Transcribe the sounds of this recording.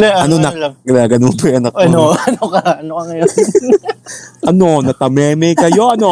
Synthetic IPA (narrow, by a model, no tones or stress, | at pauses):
aʔɐnonɐkɪnaːɡɐnonpɐjʔɐnɐkɐnoɐnokɐɐnokɐŋɐjo | ʔɐnonɐk̪ɐmɛːmɛjkɐjo̞ʔɐno